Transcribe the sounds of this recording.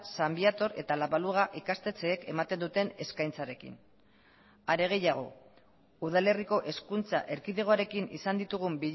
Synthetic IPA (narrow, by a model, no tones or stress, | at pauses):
sambiat̪o̞ɾe̞̰t̪alaβaluɣaʔikast̪e̞t͡se̞ːke̞mat̪e̞nd̪ut̪e̞ne̞skajnt͡saɾe̞kḭn | aɾe̞ɣ̞e̞jaɣ̞o̞̰ | uð̞ale̞riko̞ʔe̞skunt͡sa̰ʔe̞ɾkiðe̞ɣ̞o̞aɾe̞kinḭsand̪it̪uɣ̞umbiʎ